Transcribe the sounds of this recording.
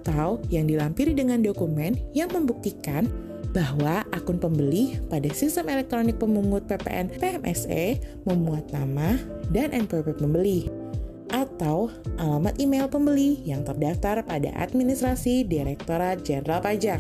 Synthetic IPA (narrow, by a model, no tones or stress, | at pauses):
at̪awjaŋdilampiɾidəŋandokumɛnjaŋməmbuk̚t̪ikan | baɦwaʔakʊnpəmbəlihpadasist̪əmelɛk̚t̪ɾonɪk̚pəmuŋʊt̪̚pepḛʔɛnpeɛmʔɛ̰seməmuat̪̚namahdanʔɛnpərpɛt̪̚məmbəli | ʔat̪awʔalamat̪imelpəmbəlijaŋt̪ərdaft̪arpada̰ʔa̰t̪̚minist̪ɾasidiɾɛk̚t̪oɾat̪̚d͡ʒɛnɾalpad͡ʒak